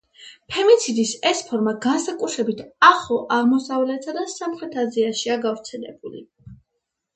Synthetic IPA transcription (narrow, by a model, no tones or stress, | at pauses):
pʰɛmit̪sʰid̪isɛspʰɔɾmaɡansakʼut̪ʰɾɛbit̪ʰaχɔʔaʁmɔsavlɛt̪ʰad̪asamχɾɛt̪ʰaziaʃiaɡavɾt̪sʰɛlɛ̰bulḭ